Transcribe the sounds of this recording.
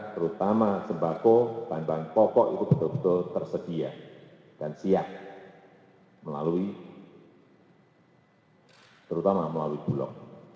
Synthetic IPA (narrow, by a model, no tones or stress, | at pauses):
t̪əɾut̪amasəmbakokambaŋpɔpɔʔit̪ub̥ət̪ʊlbət̪ʊlt̪ərsəd̥ia | d̥ansiak̚ | məla̰lui | t̪əɾut̪amaməlaluib̥ulɔ̰k̚